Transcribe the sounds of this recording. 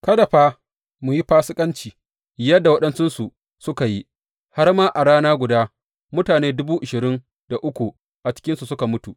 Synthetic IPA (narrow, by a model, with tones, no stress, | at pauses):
kɐ˦da˨ɸaː˦ | mʊ˨ji˦ɸaː˦sɪ˦kʼɐ˦nt͡ʃiː˨ | jɐ˦dːa˨wɐ˦ɗɐ˦nt͡ʃɪ˦nsu˨ | sʊ˦ka˨ji˦ | ha˦rmaː˦ʔa˨ɽaː˦naː˦ɡʷʊ˨daː˦ | mʊ˦taː˨neː˦dʊ˦buː˦ʔɪ˨ʃɪ˨ɾɪ˦n | d̥a˨ʔʊ˦kʷu˨ | ʔa˨t͡ʃɪ̥˦kʲɪ˦nsu˨sʊ˦ka˨mʊ˦tu˨ʔ